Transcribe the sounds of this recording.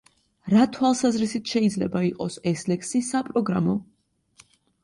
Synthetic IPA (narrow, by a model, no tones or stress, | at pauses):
ɾat̪ʰwalˠsazɾisit̪ʰʃɛid̪zlɛbaiqʼɔsɛslɛkʰsisapʼɾɔɡɾamɔ